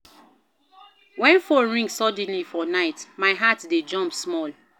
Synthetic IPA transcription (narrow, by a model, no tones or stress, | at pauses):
wɛ̃nfɔɹĩŋsɔd̃n̩lifɔnaɪtmaɪɦatded͡ʒɔ̃mpsmɔl